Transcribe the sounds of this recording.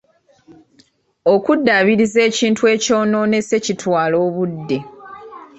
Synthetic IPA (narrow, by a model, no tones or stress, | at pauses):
o̞kudːaːβiɾize̞ːciːntue̞ːco̞ːno̞ːne̞se̞citʰwaːlo̞ːβudːe̞